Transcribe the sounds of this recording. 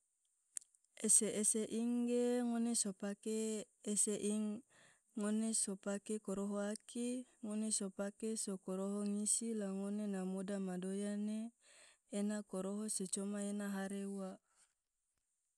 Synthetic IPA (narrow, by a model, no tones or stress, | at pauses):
eseʔːseʔiŋɡeŋonesopakeː | seʔiŋː | onesopakekoɾoɦoakiŋonesopakesokoɾoɦoŋisilaŋonenamodamadojaneː | nakoɾoɦoset͡ʃomaenaɦaɾeuwa